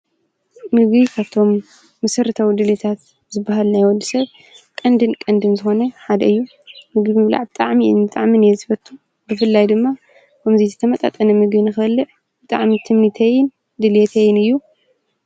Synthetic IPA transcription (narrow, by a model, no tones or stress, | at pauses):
mɨɡikʰaβt̪ʰo̞mː | ɐsɐɾɨt̪ʰawid̪ɨlet̪ʰat̪ | zɨbːaɦalnajwɔld̪isɐβ | kʼɐnd̪ɨnkʼɐnd̪ɨnzɨxo̞nɐħad̪ɐɨjːu | mɨɡimɨβla̰ʕbɨt̪ʼaʕmiʔɨnbɨt̪ʼaʕminjɛzɨfɐt̪ʼʰːu | bɨfɨlːajd̪ɨmːa | kʰɐmzizɨt̪ʰɐmɐt̪ʼa̰t̪ʼɐnɐmɨɡbinɨxɐlːɨʕ | bɨt̪ʼa̰ʕmit̪ʰɨmːit̪ʰɐjɪn | d̪ɨlet̪ʰɐjɪnɨjːu